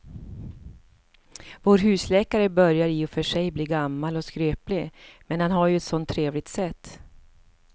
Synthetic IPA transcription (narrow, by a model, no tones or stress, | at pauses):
voːɾɦʉ̟ːslɛːkaɾəbœɾjaɾɪːɔfœʂɛjbliːɡamːalɔskɾøːplɪmɛnhanɦaɾjɵɛt̪sɔnt̪ʰːɾeːvlɪɡ̚t̪sɛt̪ː